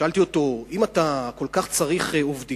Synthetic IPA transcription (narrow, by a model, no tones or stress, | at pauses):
alt̪io̞to̞imat̪ako̞lkaχt͡saʁiχeovd̪i